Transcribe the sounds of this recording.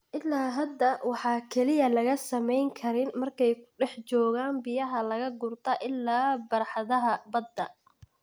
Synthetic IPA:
ʔɪlːaːɦɐd̪ːɐwɑħɑːkʰɛlɪjɐlɐɣɐsɐmɛjŋkʰɐɾɪnmɐrkʰɛjkʰʊ̥ɖɛħt͡ʃɔːɣaːnbɪjɐɦɐlɐɣɐɡʊrt̪ʰɐʔɪlːaːbɐɾħɑðɐɦɐbɐd̪ːɐ

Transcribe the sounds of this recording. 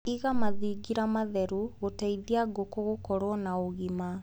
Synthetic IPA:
iɣamaðiɡiɾamaðɛɾuɣotaiðiaɡokɔɣokɔɾɔnaoɣima

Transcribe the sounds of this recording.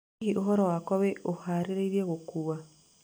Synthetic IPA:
iʔoɦɔɾɔwakɔweʔohaɾeɾeiɾjeɣokuwa

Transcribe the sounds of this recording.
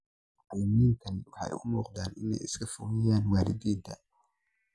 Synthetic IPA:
ʔɐmiːŋk̪ʰɐnwɑħɑ̰ːʊmuːqd̪aːnɪnɛ̰jɪskʰɐfʊɣɪjaːnwaːlɪd̪iːnt̪ʰɐ

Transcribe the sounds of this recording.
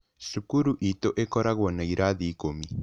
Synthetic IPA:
sukuɾuʔit̪oʔekɔɾaɣwonejɾʔaðikomi

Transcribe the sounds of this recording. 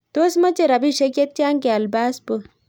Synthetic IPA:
t̪osmɐt͡ʃeɾɐbiʃekjɐt̪̚t͡ʃaːŋkeɐlbaːspu

